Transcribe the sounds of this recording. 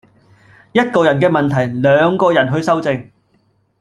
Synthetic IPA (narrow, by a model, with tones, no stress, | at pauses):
jɐ˥t̚kɔː˧jɐ˨˩nkɛː˧mɐ˨nt̪ʰɐ˨˩jlœː˨˧ŋkɔː˧jɐ˨˩nɦɵ˧ɥsɐ˥wt͡sɪ˧ŋ